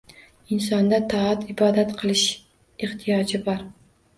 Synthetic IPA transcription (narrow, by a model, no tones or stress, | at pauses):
ɪnsɒnd̪at̪ʰaat̪ɪbɒd̪at̪qʰɨlˠɪʃ | eht̪ʰijɒd͡ʒɪbɒɾ